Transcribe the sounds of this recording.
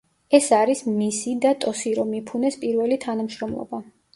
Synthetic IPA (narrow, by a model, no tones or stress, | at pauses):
ɛsaɾismisid̪at̪ʼɔsiɾɔmipʰunɛspʼiɾvɛlit̪ʰanamʃɾɔmlˠɔ̰ba